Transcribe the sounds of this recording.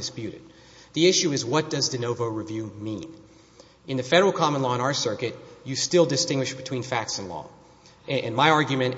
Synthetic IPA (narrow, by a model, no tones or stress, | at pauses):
ɨspjʉɾɨ̰d̪̚ | ðiɪʃʉɨzwʌt̚d̥ʌzðɨnoʊvoʊɹɨvjʉmḭ̃n | ɨ̃nðɨfɛɾə˞l̩ˠkʰɑmə̃nlɔə̃ɾ̃aʊə˞sɜ˞kɨt͡ʃɨstɪlˠdɨstɪ̃ŋɡwɨʃb̥ɨtʰw̥ĩnfæk̚tsnlɔ̰ | ɨ̃nmaɪɑɹɡjɨmɨ̃n